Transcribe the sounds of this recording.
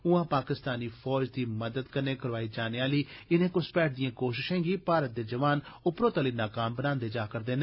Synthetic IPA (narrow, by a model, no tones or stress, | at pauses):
ʊãːpaːkɪst̪aːniːfʰɔːd͡ʒd̪iːməd̪əd̪kəɾneːkəɾʋaːiːd͡ʒaːneːaːliːɪnẽːkʊspɛːʈ̚ʰd̪ijãːkoːʃɪʃɛ̃ːɡiːpaːɾət̪̚d̪eːd͡ʒəʋaːnʊpɾoːt̪aːliːnaːkaːmbənãːnd̪eːd͡ʒaːkəɾd̪eːnː